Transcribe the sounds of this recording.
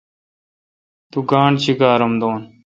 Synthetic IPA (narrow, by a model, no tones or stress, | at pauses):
t̪uɡaːɳɖt͡ɕʰiɡaːɾɐmd̪oːn